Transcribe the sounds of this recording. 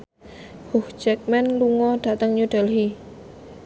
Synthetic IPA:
hʊhd͡ʒɛk̚mɛnluŋɔɖ̥a̤t̪əŋɲuɖ̥əlɦi

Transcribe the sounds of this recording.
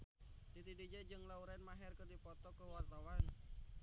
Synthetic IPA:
did̪idid͡ʒɛd͡ʒɨŋlauɾɛnmaɦɛrkədipɔt̪ɔkəwart̪awan

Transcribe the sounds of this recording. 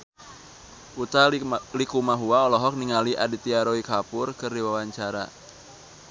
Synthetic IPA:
ʔut̪alikumaɦuaɔlɔɦɔk̚niŋaliʔadit̪iaɾoikapʊrkɨrdiwawaɲt͡ʃaɾa̰

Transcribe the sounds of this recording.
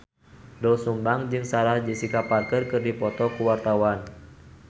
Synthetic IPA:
dɔlsumbaŋd͡ʒɨŋsaɾahd͡ʒisikaparkərkɨrdipɔt̪ɔkuwart̪awan

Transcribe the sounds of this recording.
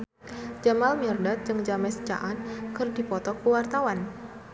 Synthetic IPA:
d͡ʒamalmirdat̪̚d͡ʒɨŋd͡ʒamɛst͡ʃa̰ʔankɨrdipɔt̪ɔkəwart̪awan

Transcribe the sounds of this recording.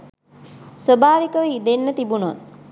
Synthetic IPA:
sʋəbʱaːʋikəʋəid̪enːət̪ibunot̪

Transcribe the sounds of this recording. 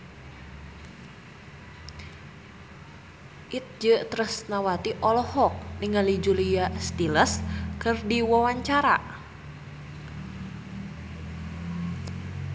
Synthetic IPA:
ʔit̪̚d͡ʒət̪ɾəsnawat̪iʔɔlɔhɔk̚niŋalid͡ʒulijast̪iləskɨrdiwawaɲt͡ʃaɾa̰

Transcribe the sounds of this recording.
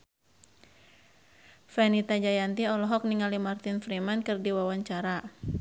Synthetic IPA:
fɛnit̪ad͡ʒajant̪iɔlɔɦɔk̚niŋalimart̪infɾimankɨrdiwawaɲt͡ʃaɾa

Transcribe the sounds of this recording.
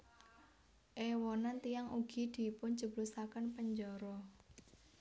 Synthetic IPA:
ʔewɔnant̪ijaŋuɡ̥i̤d̪̥i̤pʊnd͡ʒəblusakənpəɲd͡ʒɔɾɔ

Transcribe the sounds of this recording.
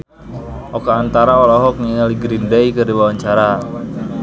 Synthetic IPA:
ʔɔkaːnt̪aɾaolɔɦɔk̚ŋiŋaliɡɾindɛjkərdiwawaɲt͡ʃaɾa

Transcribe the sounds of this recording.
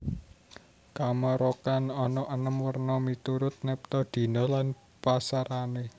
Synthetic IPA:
kamɔɾokanɔnɔʔənəmwərnɔmit̪uɾʊt̪̚nɛp̚t̪ɔd̪̥i̤nɔlan | pasaɾane

